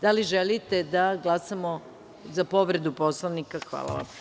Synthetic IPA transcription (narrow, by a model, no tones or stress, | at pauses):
d̪aliʒelit̪ed̪aɡlˠasamo | zapo̞ʋɾe̞d̪uposlˠaʋnikaxʋa̰lˠa̰ʋa̰m